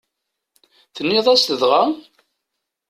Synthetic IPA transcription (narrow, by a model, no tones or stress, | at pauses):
θənːiðˤæst̪əðʁa